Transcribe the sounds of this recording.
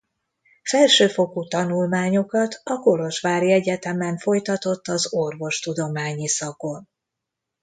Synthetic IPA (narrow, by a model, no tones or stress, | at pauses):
fɛlʃøːfo̞kut̪ɒnulmaːɲo̞kɒt̪ʰɒko̞lo̞ʃʋaːɾiɛɟɛt̪ɛmɛɱfo̞jt̪ɒt̪o̞t̪ːɒzorvo̞ʃt̪ud̪o̞maːɲisɒko̞n